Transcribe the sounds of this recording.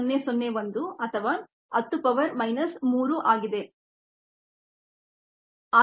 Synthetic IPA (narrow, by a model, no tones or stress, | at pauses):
nːesɔnːeʋɐnd̪uɐt̪ʰɐʋa | ɐt̪ːupɐʋɐɾmɐjnɐsmuːɾuʔaːɡid̪e̞ | aː